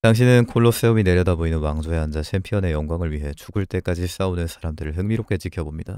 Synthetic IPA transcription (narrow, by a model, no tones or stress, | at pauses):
taŋɕ̬ʰinɯnkʰoɭːos͈eumine̞ɾjʌdaboinɯnwaŋd͡ʑoe̞ɦand͡ʑat͡ɕʰempʰijʌne̞jʌŋɡwaŋɯɭɥiɦe̞t͡ɕʰuɡuɭt͈e̞k͈ad͡ʑis͈aunɯnsʰaɾamdɯɾɯɭɦɯŋmiɾok͈ʰe̞t͡ɕikʰjʌbomɲida